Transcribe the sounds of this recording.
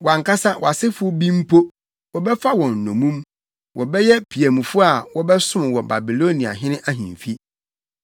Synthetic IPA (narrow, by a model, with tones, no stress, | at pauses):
wã˨ŋkʰa˦sa˦wʔɔ˨a˨sɪ˦fʊ˦bĩ˦m̩˦pʰo˦ | wɔ˨bɛ˦fa˦wɔ̃˨n̩˨nɔ̰̃˨mũ˦m | wʔɔ˨bɛ˦jɛ˦pʰi˨æ˨mũ˨fʊ˦a˨wɔ˦bɛ˦sʊ̃˦m˨wɔ̃˨ba˨bi˨lo˦nĩ˨a̰˨ɦɪ̃˦nɪ̃˦ʔa˦ɦḭ̃˨ɱ˨fi˦